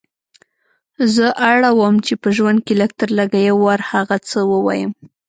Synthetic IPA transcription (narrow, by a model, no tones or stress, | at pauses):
zəʔaɽawəmt͡ʃepəʒwand̪̚keləɡ̚t̪əɾləɡajawaɾhaɣat͡səwəwa̰jəm